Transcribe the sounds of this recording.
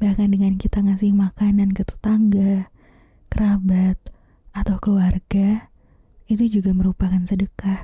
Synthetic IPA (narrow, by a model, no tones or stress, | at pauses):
bahkandəŋankit̪aŋasɪŋmakanankət̪ə̥t̪aŋɡa | kəɾʔabat̪̚ | at̪awkəluarɡ̥a | it̪ud͡ʒuɡaməɾupakansədəkah